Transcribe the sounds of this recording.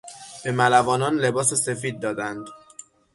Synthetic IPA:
b̥e̞mælævɒːnɒːnle̞bɒːse̞se̞fiːd̪̚ːɒːd̪ænd̪

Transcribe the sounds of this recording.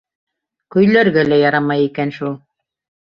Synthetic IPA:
kɵ̆jlæɾɡælæjɑɾɑmɑjikænʃulˠ

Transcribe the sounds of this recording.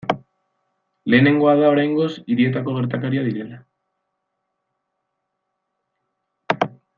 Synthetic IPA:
le̞ːne̞ŋɡo̞aðao̞ɾajŋɡo̞siɾie̞t̪ako̞ɣ̞e̞ɾt̪akaɾiaðiɾe̞la

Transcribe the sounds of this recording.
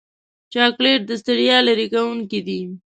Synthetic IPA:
t͡ʃɑkleʈ̚d̪əst̪ɪɽjɑlaɾikawuŋkid̪i

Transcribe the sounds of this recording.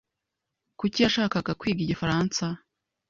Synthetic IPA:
kucijaʃaːkaɡakwiːɡiɟifaɾansa

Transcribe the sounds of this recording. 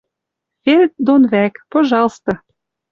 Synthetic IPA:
fert̪d̪onβækpoʒɑlˠst̪o

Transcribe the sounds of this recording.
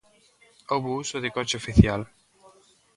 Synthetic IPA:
owβousoðɪkɔt͡ʃɪofiθjal

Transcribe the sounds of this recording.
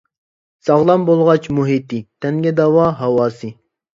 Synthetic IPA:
sɑʁlˠɑmbolˠʁɑt͡ʃmuɦit̪it̪ʰɛŋɡʲɛd̪ɑwɑɦɑwɑːsɨ

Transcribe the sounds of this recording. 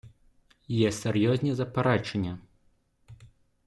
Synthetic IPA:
jɛsʲɛrjɔzʲnʲɛzɐpaɾat͡ʂɐnʲːɛ

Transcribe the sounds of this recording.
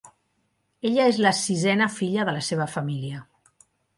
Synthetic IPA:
eʎəezləsizɛnəfiʎəðələseβ̞əfəmiliə

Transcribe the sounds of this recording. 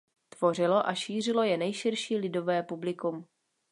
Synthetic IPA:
t̪vo̞r̝ɪlo̞ʔaʃiːr̝ɪlo̞jɛnɛjʃɪrʃiːlɪdo̞vɛːpublɪkum

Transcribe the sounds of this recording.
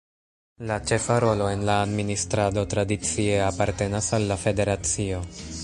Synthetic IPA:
lat͡ʃe̞faɾo̞lo̞e̞nlaːdministɾado̞tɾadit͡sie̞apaɾte̞nasalːafe̞de̞ɾat͡sio̞

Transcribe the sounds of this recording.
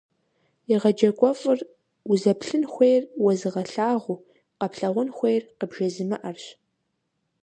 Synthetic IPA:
iʁɐd͡ʒɐkʷʼɔfʼɨr | uzɐpɬɨnxʷejrwɐzɨʁɐɬaːʁʷu | qɐpɬɐʁʷʊnxʷejrqəbʒɐzɨmɐʔɐrɕ

